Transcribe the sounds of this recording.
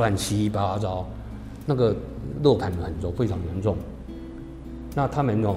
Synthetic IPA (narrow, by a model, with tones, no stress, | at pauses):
a˥˨nt͡ɕʰi˧˥i˥˦pa˥a˥t͡sɑ˥˦ʊ | na˥˩ɡə˨lɔ˥˩kʰa˨˦nə˨˩xə˨˩nt̪wɔ˥˦fe˥ʈ͡ʂʰɑ˧˥ŋjɛ˧˦nʈ͡ʂʊ˥˩ŋ | na˥˨t̪ʰa˥mə˨njʊ˨˩